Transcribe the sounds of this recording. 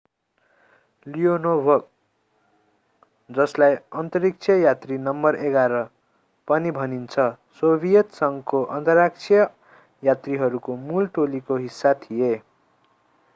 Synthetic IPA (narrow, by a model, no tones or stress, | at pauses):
lijonobʱʌk̚ | d͡zʌslajʌnt̪ʌɾik̚t͡sʰʌjat̪rinʌmːʌreɡaɾʌ | pʌnibʱʌnint͡sʰʌ | sobʱijʌt̪sʌŋkoʔʌnt̪ʌrak̚t͡sʰijʌ | jat̪riɦʌɾukomulʈolikoɦisːat̪ʰije